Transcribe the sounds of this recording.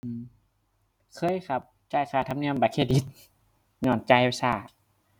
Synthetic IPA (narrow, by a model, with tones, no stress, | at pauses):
ʔɯː˧˩m | kʰɤː˧˥˨jxʰa˧˦p̚ | t͡ɕaː˧˩jxʰaː˨˩t̪ʰa˧mni˧˨əmbaː˧˩kʰeː˧˩i˧˦t̪̚ | ɲɔː˧˩nt͡ɕaː˧˨˧saː˧˩